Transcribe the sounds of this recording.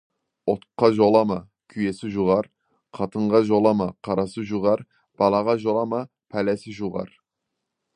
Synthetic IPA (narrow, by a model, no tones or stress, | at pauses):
ot̪qʰːɑʒolˠɑmɑ | kʲʰyjɛsɪʒuʁɑɾ | qʰɑt̪ʰəɴʁɑʒolˠɑmɑqʰɑɾɑsɨʒuʁɑɾ | b̥ɑlˠɑʁɑʒolˠɑmɑ | pʰɛlɛsɪʒuʁɑ̰ɾ